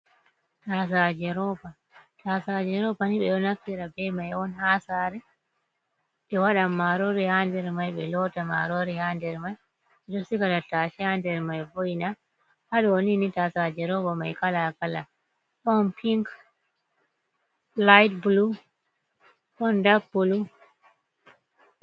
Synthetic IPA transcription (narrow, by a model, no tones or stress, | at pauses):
tas̬ad͡ʒɛɾɔpa | tasad͡ʒɛɾɔpaniɓɛɗɔnakːiɾabɛmajɔnhasaɾɛ | ɓɛwaɗamːaɾoɾihandɛɾmajɓɛlɔtama̰ɾoɾihandɛɾmaj | ɛɗɔsikatataʃihandɛɾmajbojna | haɗɔoninitasad͡ʒɛɾɔbamajkalakala | ɗɔnpʰiŋk | lajtbulu | ɗɔndabːulu